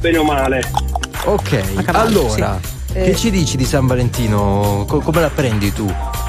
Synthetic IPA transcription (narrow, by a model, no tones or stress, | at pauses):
benomaːle | okʰːɛjalːoːɾa̰̟ | et͡ʃːid̪iːt͡ʃid̪isaɱvalent̪iːnokokɔmelapːɾɛnd̪it̪u